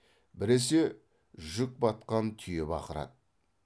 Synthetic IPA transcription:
bɪɾe̞s̬e̞ | ʒʏk̚bɑt̪̚qɑnt̪ʰʏjebɑ̰qəɾɑ̰d̪̚

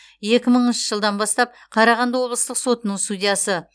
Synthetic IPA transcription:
je̞kʲɪməɴnʃəʒəlˠd̪ɑnbɑst̪ɑp̚qʰɑɾɑʁɑnd̪ɑwo̞blˠəst̪əqso̞t̪ənəɴst̪ud̪ʲijɑsə

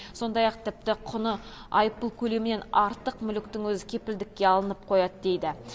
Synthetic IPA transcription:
so̞nd̪ɑjɑq̚t̪ʰɪp̚t̪ɪqʰʊnəɑjəpːəlˠkʲʰɵle̞mɪne̞nɑɾt̪əqmʏlɪkt̪ɪŋwɵzɪkʲʰe̞pɪld̪ɪkʲːe̞ɑlˠənəp̚qʰo̞jɑd̪əd̪ejd̪ɪ

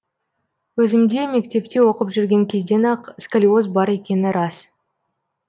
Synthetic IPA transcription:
wɵzɪmd̪e̞me̞kt̪e̞p̚t̪e̞wo̞qəpʒʏɾɡʲe̞ŋkʲʰe̞zd̪e̞nɑqskalʲio̞z̬bɑɾe̞kʲe̞nɪɾɑs

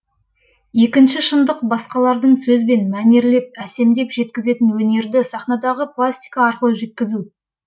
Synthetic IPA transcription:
je̞kʲɪnʃɪʃənd̪əqbɑsqɑlˠɑɾd̪əɴsɵzbe̞nmæne̞ɾle̞p̚æse̞md̪e̞pʒe̞t̪kʲɪze̞t̪ɪnwɵne̞ɾd̪ɪsɑχnɑd̪ɑʁəplˠasʲt̪ʲijkɑːɾqəlˠəʒe̞t̪̚kʲɪzu

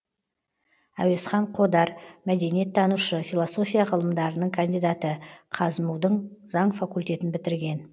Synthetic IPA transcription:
æ̰we̞sχɑɴqʰo̞d̪ɑɾmæd̪e̞nije̞t̪ʰːɑnuʃəfʲilˠoso̞fʲijaqʰəlˠəmd̪ɑɾənəɴkʰand̪ijd̪at̪əqʰɑzəmuwd̪əɴz̥ɑɴfakulʲt̪e̞t̪ɪnbɪt̪ɪɾɡʲe̞n

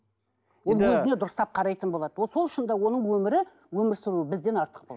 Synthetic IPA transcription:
wo̞lˠwɵzɪne̞d̪ʊɾəst̪ɑp̚qʰɑɾɑjt̪ənbolˠɑd̪əwoso̞lˠʃənd̪ɑwo̞nəɴwɵmɪɾɪ | wɵmɪɾsɪɾuɪbɪzd̪e̞nɑɾt̪ə̥q̚bolˠ

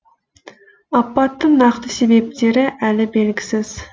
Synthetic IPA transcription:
ɑpːɑt̪ːɨŋnɑχt̪ɨsebep̚t̪eɾɪʔælɪbelɡʲi̥sɪz̥

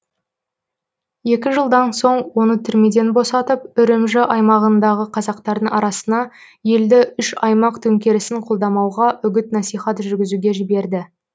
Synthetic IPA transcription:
je̞kʲɪʒəlˠd̪ɑnso̞ɴwo̞nət̪ʰʏɾme̞d̪e̞nbo̞sɑt̪əp̚ʏɾɪmʒɪʔɑjmɑʁənd̪ɑʁəqʰɑzɑqt̪ɑɾd̪əŋɑɾɑsənɑ | je̞ld̪ɪʏʃɑjmɑqt̪ʰɵŋkʲe̞ɾɪsɪŋqʰo̞lˠd̪ɑmɑwʁɑʔʏɡʲɪt̪nɑsijχɑt̪ʒʏɾɡʲɪzuɡʲe̞ʒɪbe̞ɾd̪ɪ

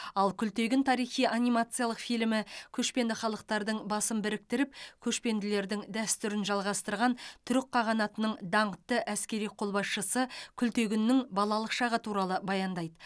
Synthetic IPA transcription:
ɑlˠkʲʰʏlt̪e̞ɡʲɪnt̪ʰɑɾijχijʔanʲimat̪sɨjɑlˠəqfijlmɪkʲʰɵʃpe̞nd̪ɪχɑlˠəq̚t̪ɑɾd̪əɴbɑsəmbɪɾɪk̚t̪ɪɾɪp̚kʲʰɵʃpe̞nd̪ɪle̞ɾd̪ɪŋd̪æst̪ʏɾɪnʒɑlˠʁɑst̪əɾʁɑnt̪ʰʏɾɪk̚qʰːɑʁɑnɑt̪ənəɴd̪ɑɴət̪ːəʔæskʲe̞ɾijqʰo̞lˠbɑsʃəsəkʲʰʏlt̪e̞ɡʲɪnːɪŋbɑlˠɑlˠəqʃɑʁət̪ʰuɾɑlˠəbɑjɑnd̪ɑjd̪ə

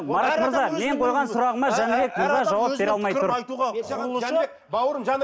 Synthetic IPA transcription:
mɑɾɑt̪məɾzɑme̞ɴqʰo̞jʁɑnsʊɾɑʁəmɑʒænɪbe̞k̚ʲməɾzɑʒɑwɑp̚be̞ɾɑlˠmɑjt̪ʰʊɾ | w

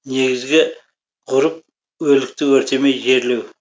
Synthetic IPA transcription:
ne̞ɡʲɪzɡʲɪ | ʁʊɾəp̚ | wɵlɪk̚t̪ɪwɵɾt̪ʰe̞mejʒe̞ɾlew

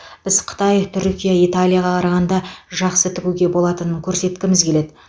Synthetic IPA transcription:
b̥ɪzqʰə̥t̪ɑjt̪ʰʏɾkʲijait̪alʲˠijaʁɑqʰɑɾɑʁɑnd̪ɑʒɑqsət̪ʰɪɡʲuɡʲe̞bo̞lˠɑt̪ənəŋkʲʰɵɾse̞t̪kʲɪmɪzkʲʰe̞le̞d̪ɪ

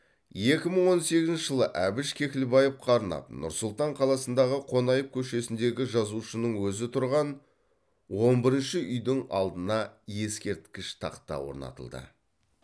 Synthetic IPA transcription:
je̞kʲɪməɴwo̞nse̞ɡʲɪznt͡ʃɪʒəlˠəʔæbɪʃkʲʰe̞kʲɪlbɑjəp̚qʰɑɾənɑ̰p̚nʊ̰ɾsʊlˠt̪ɑɴqʰɑlˠɑsənd̪ɑʁəqʰo̞nɑjəp̚kʲʰɵʃe̞sɪnd̪e̞ɡʲɪʒɑzuʃənəɴwɵzɪt̪ʰʊɾʁɑn | wo̞mbɪɾɪnʃɪʔʏjd̪ɪŋɑ̰lˠd̪ənɑje̞skʲe̞ɾt̪kʲɪʃt̪ʰɑ̰qt̪ːɑ̰wo̞̰ɾnɑ̰t̪ə̰lˠd̪ə̰

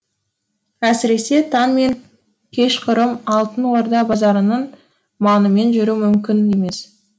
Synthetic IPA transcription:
æsɪɾe̞se̞t̪ʰɑnme̞ŋ | kʲʰe̞ʃqʰʊɾəmɑlˠt̪ənwo̞ɾd̪ɑbɑzɑɾənəɴ | mɑnəme̞nʒʏɾumʏmkʲɪne̞me̞s

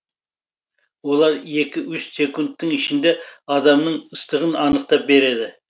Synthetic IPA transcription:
wo̞lˠɑɾje̞kʲɪwʊssʲe̞kunt̪ːəŋɪʃɪnd̪e̞ɑd̪ɑmnəɴəst̪əʁənɑnəq̚t̪ɑp̚be̞ɾe̞d̪ɪ

